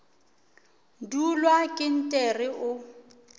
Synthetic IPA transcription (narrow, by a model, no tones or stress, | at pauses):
dulwakʼɪn̩tʼɛrɪʔʊ